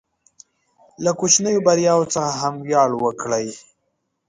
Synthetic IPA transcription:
lakot͡ʃnəjobaɾjɑwot͡səxaɦamwjɑɽwəkɽəj

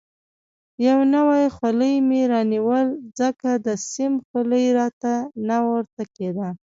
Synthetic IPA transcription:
jawnəwajxwaləjmeɾɑniwəlzəkad̪əsɪmxaləjɾɑt̪anawəɾt̪aked̪a

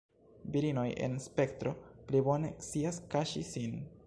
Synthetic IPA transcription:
biɾino̞je̞̰nspe̞ktɾo̞plibo̞ne̞kt͡siaskaʃḭsin

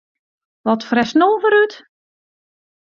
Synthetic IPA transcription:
ʋɔtfrɛsnolˠvəɾyt

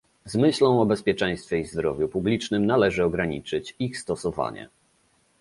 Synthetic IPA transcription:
zmɘɕlɔ̃w̃ɔbɛspʲjɛt͡ʂɛ̃j̃st̪fʲjɛizd̪ɾɔvʲjupublʲit͡ʂnɘmnalɛʐɘɔɡɾaɲit͡ʂɘt͡ɕixst̪ɔsɔva̰ɲɛ̰

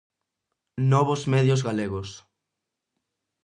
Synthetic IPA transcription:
nɔβozmɛðjozɣaleɣos

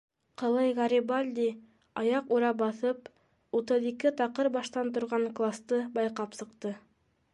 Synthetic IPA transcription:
qɤ̆lˠɤjʁɑɾʲibalʲd̪ʲi | ɑjɑquɾɑbɑθɤp̚ | ut̪ɤðikɘt̪ɑqɤɾbɑʃt̪ɑnt̪ŏɾʁɑɴklˠast̪ɤbɑjqɑpsɤ̆qt̪ɤ

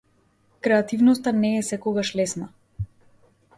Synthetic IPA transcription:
kɾɛat̪ivnɔs̬t̪anɛːsɛkɔɡaʃlɛsna

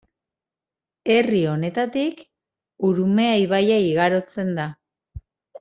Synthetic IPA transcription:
e̞rio̞ne̞t̪at̪ik | uɾume̞ajβajaiɣaɾo̞t͡se̞nd̪a

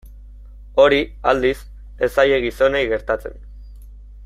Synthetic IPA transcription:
o̞ɾiald̪is | e̞saje̞ɣiso̞ne̞jɣe̞ɾt̪at͡se̞̰n

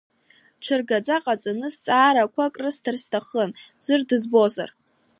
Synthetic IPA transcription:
ʈ͡ʂʰɨrɡad͡zaqʼat͡sʼanɨst͡sʼaːɾakʷʰakʼrɨstʰɨrstʰaχənz̥ɨrdɨzbo̞za̰r

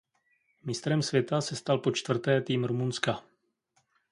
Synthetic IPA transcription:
mɪst̪ɾɛmsvjɛt̪asɛst̪alpo̞t͡ʃt̪vr̩t̪ɛːt̪iːmɾumunska

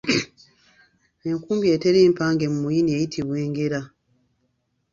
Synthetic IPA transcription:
eŋkuːmbje̞ːteɾiːmpaːŋɡe̞mumujiniejitʰiβwe̞ːŋɡe̞ɾa

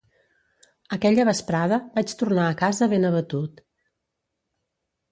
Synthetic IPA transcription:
əkɛʎəβəspɾaðəbat͡ʃt̪urnaːkazəβenəβət̪ut̪

